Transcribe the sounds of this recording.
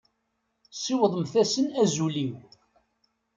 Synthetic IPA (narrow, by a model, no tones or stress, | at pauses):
siwðˤəmθæsənæzuliw